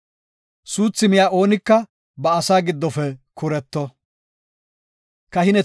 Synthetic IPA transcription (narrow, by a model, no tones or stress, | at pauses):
suːt͡sːɪmɪjaːʔo̞ːnɪkːɐ | bɐːsaːɡɪd̪ːɔfɛkʰʊɾɛt̪ːɔ | kɐɦɪnɛ